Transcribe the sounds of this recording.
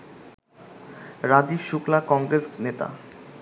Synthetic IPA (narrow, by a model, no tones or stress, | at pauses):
ɾad͡ʑibʃuklakɔŋɡɾesnet̪a̰